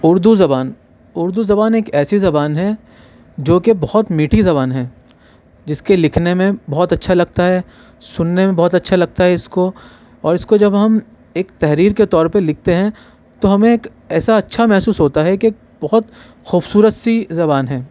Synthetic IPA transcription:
ʊɾd̪uzɐbaːn | ʊɾd̪uzɐbaːneːkɛːsizɐbaːnɦɛ | d͡ʒoːkebɐɦɔt̪miːʈʰizɐbaːnɦɛ̃ː | d͡ʒɪskelɪkʰnemẽbɔɦt̪ɐtːʃʰalɐɡ̚t̪aɦɛː | sʊnːemẽbɔɦːʊt̪ɐtːʃʰalɐɡ̚t̪aɦɛɪsko | ɔːɾɪskod͡ʒɐbɦɐm | eːkt̪ɛɦɾiːɾket̪ɔːɾpɐɾlɪk̚ʰt̪eɦɛ̃ | t̪oɦɐmẽeːk | ɛːsaɐtːʃʰamɛɦsuːsɦoːt̪aɦɛkeeːk̚bɐɦɔt̪ | xuːbsuːɾət̪sizɐβaːnɦɛː

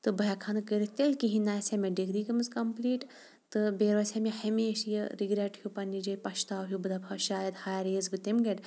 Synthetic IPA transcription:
t̪ɨbɐjɐkʰɐnɨkəɾit̪elkiɦinaːjsʲemɐɖiɡɾiːkɐmɨzkɐmpliːʈ | t̪ɨbeːɾʋɐsʲemehɐmeːʃjɐɾiɡɾeʈhupɐnːid͡ʒɐjpɐʃt̪aːwɦubɨd̪ɐpʰɐʃaːjɐd̪haːjɾeːzbɨt̪imɡɐʈ

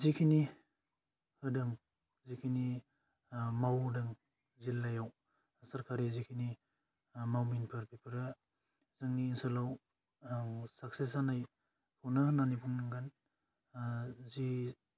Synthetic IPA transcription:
zikʰini | hɯdɯŋ | zikʰini | mawdɯŋ | zilːajaw | saɾkʰaɾizikʰini | mawminpʰɯɾpʰipʰɯɾɯ | zɯŋniːnsɐlaw | sak̚sesanaj | pʰuwnananipʰuŋnɯŋɡan | zi

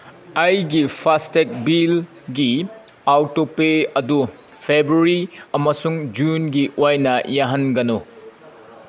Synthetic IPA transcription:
ɐjɡipʰastek̚bil | ɡiawtopeɐdu | pʰebɾuɾiɐmɐsuŋd͡ʒunɡiʔojnɐjaɦɐnɡɐno

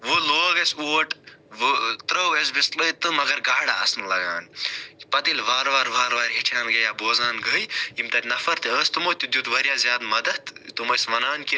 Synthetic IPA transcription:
ʋoloːɡɐsoːʈʋt̪ɾɐwɡɐs̬bist̪lət̪ɨmɐɡɐɾɡaːɽaɐsnlɐɡaːnpɐt̪ilʋaːɾʋaːɾʋʱaːɾʋaːɾɦiʈʰjaːnɡɐjaːboːzaːnɡəjimt̪ɐɾʲnɐfʰɐɾt̪eəːst̪umoːt̪ʲud̪ʲjut̪ʋɐɾjaːzʲjaːd̪mɐd̪ɐt̪t̪umɐsʋɐnaːnki

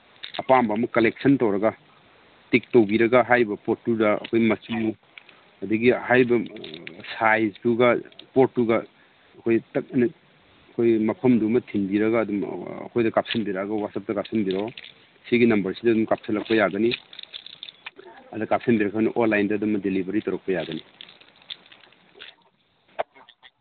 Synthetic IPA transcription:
ɐpambɐɐmɐkɐlek̚sɐntɐwɾɐɡa | tik̚towbiɾɐɡaɦajbɐpotːudɐɐ̰kʰojmɐsu | ɐdɐɡihajbɐsajsduɡɐpotːuɡɐː | kʰojtɐk̚nɐ | ɐkʰojmɐpʰɐmdumɐtʰinbiɾɐɡɐːdum̰ɐ̰kʰojdɐkap̚sɐnbiɾaɡɐwasɐp̚tɐkap̚sɐmbiɾa | siɡinɐmbɐɾsidɐdumkap̚sɐlɐk̚pɐjaɡɐni | ɐdɐkap̚sɐnbiɾɐkʰaɡɐniʔonlːajndɐːdumɐdelibʱɐɾitɐɾɐk̚pɐjaɡɐni

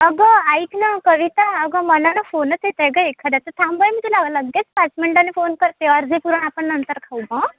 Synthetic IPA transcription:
əɡəajkʰnakəʋit̪aːɡəmənanɔfonəset̪eɡəekʰːad̪at̪ət̪ʰãmbəjmit̪elaɡləɡːet͡spat͡smeɳʈanːefonkəɾt̪eəɾd͡zʱepuɾəɳapəɳnənt̪əɾkʰawbɔ̃

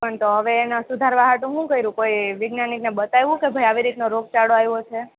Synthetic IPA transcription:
pəɳt̪oɦəʋeːnasud̪ʱaɾʋaɦaʈũɦũkəiɾũkoiʋɪɡnaniknebət̪ajʋũkebʱəjaʋiɾit̪noɾoɡ̚t͡ʃaɽoajʋot͡ʃʰe

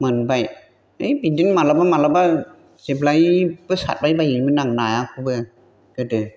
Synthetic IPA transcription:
mɯnbaj | ɯjbidinmalabamalaba | z̥eblajbɯsa̰t̚bajbajimɯnaŋnajakʰɯbɯ | d̥ɯdɯ

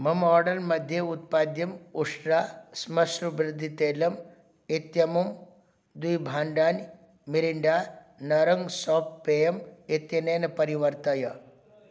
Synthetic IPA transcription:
mɐmɔːɾɖɐlmɐd̪ʱjeut̪̚paːd̪jɐmuʂɾaːsmɐsɾubɾɪd̪ʱːit̪eːlɐm | et̪jɐmum | d̪ujbʱaːɳɖaːn | miɾiɳɖaː | nɐɾɐŋɡsɔːppejɐmet̪jɐneːnɐpɐɾiʋɐɾt̪ɐjɐ

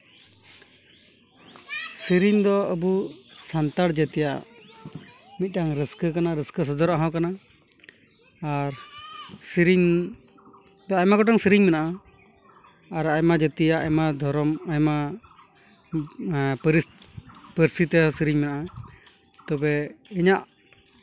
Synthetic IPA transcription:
siɾiɲd̪ɔəbusant̪aɽd͡ʒɛt̪ɛja̰ | mit̪̚ˀɖaŋɾəskəkanaɾəskəs̬ɔd̪ɔɾaɦãwkana | ɾsiɾiɲ | d̪ɔajmaɡɔʈɔŋsiɾiɲmɛnaʔa | aɾajmad͡ʒət̪ɛjaʔamad̪ʱɔɾɔmajma | pəɾispəɾsit̪ɛsiɾiɲmɛnaʔa | t̪ɔbɛɛɲaʔ

